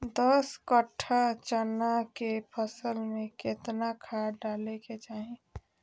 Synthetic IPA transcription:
d̪ɔskəʈʰːat͡ʃənakepʰəsəlmẽkɪt̪nakʰaːɖaːleket͡ʃaːɦĩ

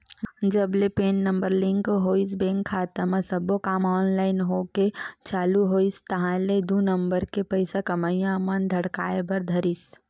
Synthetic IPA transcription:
d͡ʒɐblepeːnːɐ̃mbəɾlɪ̃ŋɡoɦoːisbẽːŋkʰːaːt̪əmə̃sɐbokaːmɔːnlaːɪnɦoːket͡ʃaːluɦoːist̪ɐɦãled̪unə̃mbəɾkepɐɪsakɐmajãmɐnd̪ʱɐɽkaːebɐɾd̪ʱɐɾis

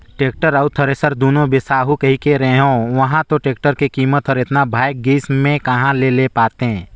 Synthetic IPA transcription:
ʈeːk̚ʈəɾəʊt̪ʰəɾesəɾd̪oːnõbɪsaːɦukɐɦikeɾɛɦõʋɐɦãt̪oʈeːkʈəɾkekiːmət̪ɦəɾeːt̪nabʱaːjk̚ɡiːsmẽkɐɦãlelepaːt̪eɛ̃

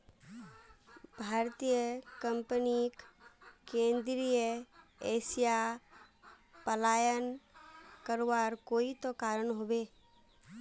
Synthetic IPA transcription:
bʱaːɾt̪ijəkə̃mpənikkẽːnd̪ɾijəeːsija | pəlaːjən | kəɾʋaːɾkoːit̪okaːɾənɦobeː

